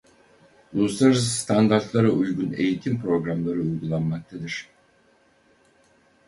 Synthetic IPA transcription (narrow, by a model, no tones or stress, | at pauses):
ulˠuslˠaɾɯzst̪ʰand̪aɾt̪lˠaɾaujɡune̞̰jit̪ʰimpɾo̞ɡɾamlˠaɾɯujɡulˠanmak̚t̪ʰad̪ɯɾ̥